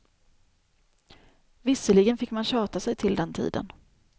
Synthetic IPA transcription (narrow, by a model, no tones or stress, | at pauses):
vɪsəlɪɡənfɪkːmanɕɑːt̪asɛjt̪ʰɪld̪ɛnt̪ʰḭːd̪ə̰n